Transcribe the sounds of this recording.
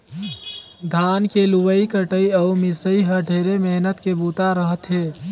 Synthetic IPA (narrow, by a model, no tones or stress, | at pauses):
d̪ʱankelubəikəʈəiəumisəiɦəɖʱeɾemeɦnət̪kebut̪aɾəɦət̪ɦe